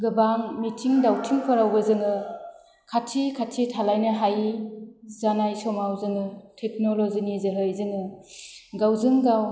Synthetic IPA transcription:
ɡɯbaŋmitʰiŋdawtʰiŋpʰɔɾawbɯzɯŋɯ | kʰatʰikʰatʰitʰalajnɯɦaj | zanajsɔmawzɯŋɯtʰek̚nɔlɔzinizɯɦɯjzɯŋɯ | ɡawzɯŋɡaw

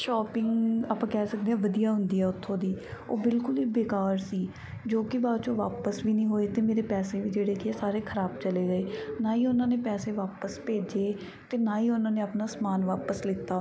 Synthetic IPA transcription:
ʃɔːpɪŋɡaːpãːkɛːsək̚d̪ẽːɛ̃ːʋəd̪ijaːɦʊnd̪iːɛːʊt̪ʰːõːd̪iːo̰ːbɪlkʊliːbeːkaːɾsiː | d͡ʒoːkɪʋaːt͡ʃõːʋaːpəsʋiːnĩːɦoːeːt̪eːmeːɾeːpɛːseːʋiːd͡ʒeːɽeːkiɛːsaːɾeːkʰəɾaːbt͡ʃəleːɡəeːnaːiːʊnãːneːpɛːseːʋaːpəspeːd͡ʒeː | t̪eːnaːiːʊnãːneːəpnaːsmaːnʋaːpəslɪt̪ːaː

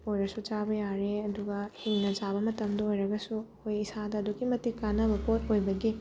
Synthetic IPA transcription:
ojɾɐsut͡ʃabɐjaɾeɐduɡɐhiŋnɐd͡ʒabɐmɐtɐmdɐojɾɐɡɐsu | ojisadɐːduɡimɐtikanɐbɐpot̚ojbɐɡi

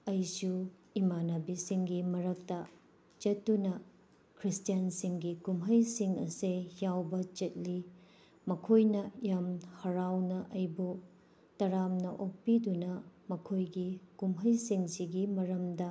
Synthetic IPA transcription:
ɐjsu | imanɐbisiŋɡimɐɾɐk̚tɐ | t͡ʃɐtːunɐ | kʰɾistijansiŋɡikumɦɐjsiŋɐ̰sejawbɐt͡ʃɐt̚li | mɐkʰojnɐjamhɐɾawnɐʔɐjbu | tɐɾamnnɐʔok̚pidunɐmɐkʰojɡikumɦɐjsiŋsiɡimɐɾɐmdɐ

